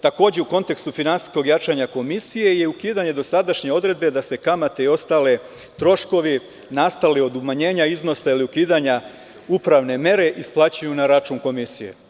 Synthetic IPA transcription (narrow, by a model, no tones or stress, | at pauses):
t̪ako̞ːd͡ʑe̞uko̞nt̪e̞kst̪ufinansi̥sko̞ɡjat͡ʃaɲako̞misije̞jeukiːd̪aɲe̞d̪o̞sad̪aʃɲe̞o̞d̪ɾe̞d̪̚be̞d̪ase̞kamat̪e̞io̞st̪aːle̞ | t̪ɾo̞ʃko̞ʋi | nast̪alio̞d̪umaɲe̞ːɲaizno̞sailiukiːd̪aɲa | upɾaʋne̞me̞ɾe̞ʔisplˠaːt͡ɕajunaɾat͡ʃuːnko̞misije̞̰